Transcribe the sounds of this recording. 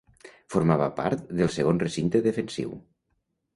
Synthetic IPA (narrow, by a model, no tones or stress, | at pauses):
foɾmaβa̰pa̰ɾt̪ðəlˠseɣ̞onresint̪əðefənsḭw